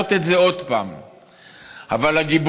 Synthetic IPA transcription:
ot̪etze̞o̞d̪paːm | a̰valaɡib

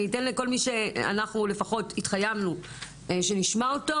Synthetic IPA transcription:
itenliko̞lmiʃe̞a̰naχnule̞faχo̞titχajamnu | ʃe̞niʃmaoto

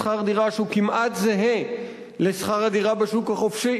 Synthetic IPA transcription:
χaʁd̪iʁaʃeukimʔat̪zeɦe | lesχaʁad̪iʁabeʃukhaχofʃi

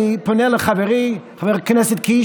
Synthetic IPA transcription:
ɪpʊnɛlˠəχavɛɾiχavɛɾkɪnɛsɪt̚ki

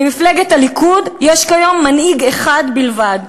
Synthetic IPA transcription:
imifleɡet̪alikud̪jɛʃkajomːaniɡeχad̪bilvad̪

